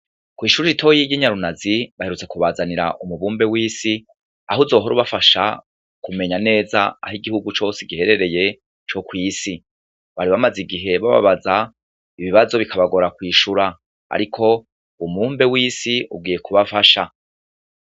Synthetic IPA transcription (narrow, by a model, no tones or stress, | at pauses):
kwiːʃuɾiɾitʰo̞jiɟiɲaɾunaziβahe̞ɾut͡se̞kuβaːzaniɾa̰ʔumuβuːmbewiːsi | aɦuzo̞ːɦoɾuβafaʃa̰ | kume̞ɲane̞ːza̰a̰ɦiɡihuɡut͡ʃo̞ːseɡihe̞ɾe̞ɾe̞je̞ | t͡ʃo̞kwiːsi | βaɾiβamaziɡiɦe̞βa̰βa̰βaza | iβiβazo̞βikʰaβaɡo̞ɾakwiːʃuɾa | a̰ɾikʰo̞ | umuːmbe̞wiːsiṵbɡwiːje̞kuβafaʃa